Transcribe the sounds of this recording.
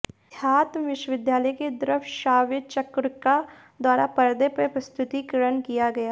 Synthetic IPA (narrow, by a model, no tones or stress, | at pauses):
jaːt̪mʋɪʃwəʋɪd̪jaːləjket̪ɐɾəfʰʃaːʋɪt͡ʃɐkɾka | d̪waːɾapɐɾd̪epəpɾɐst̪ʰʊt̪ikɾənkijaɡɐjaː